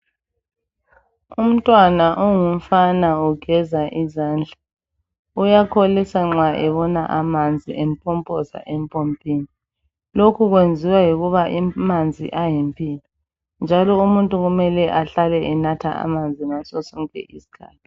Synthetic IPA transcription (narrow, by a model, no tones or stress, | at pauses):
um̩tʼwanaʔuŋum̩fanauɡ̥ʱɛzaʔizaːnd͡ɮʱa | ujakʰolisaŋ͡ǁaʔɛβɔnaʔamand͡zʱiʔempʰʼɔmpʼɔza̰ʔempʼompʼiːni | lokʰuɣwend͡zʱiwajiɣuβaʔimand͡zʱḭʔajimpʼiːlɔ | nd͡ʒʱalɔumuntʼuɣumɛlɛʔaɬalɛʔɛnatʰa̰a̰mand͡zʱinasɔsɔŋkʼɛ̰ʔisi̥kʰa̰ːtʰi̥